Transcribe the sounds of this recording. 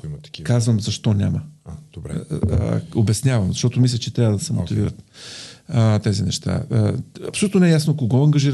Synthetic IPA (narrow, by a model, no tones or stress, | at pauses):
kikazvəmzɐʃt̪ɔnʲaməd̪̥bɾ | obɛsnʲavɐmzɐʃt̪ɔt̪ʊmislʲət͡ʃɛt̪ɾʲavəd̪ɐsɛmo̰t̪iviɾə̰t̪ | t̪ɛzinɛʃt̪a̰ɐ̰psʊlut̪onɛɛjasnokoɡɔɐŋɡɐʒiɾ